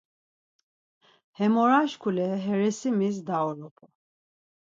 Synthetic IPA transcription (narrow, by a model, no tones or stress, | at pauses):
hɛmɔɾaʃkʰulɛɦɛɾɛsimis̬d̪aɔɾɔpʰʼɔ